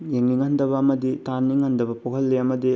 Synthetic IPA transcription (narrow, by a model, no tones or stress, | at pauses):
jeŋniŋɐndɐbɐːmɐditanːiŋɐndɐbɐpoɦɐlːiɐmɐdi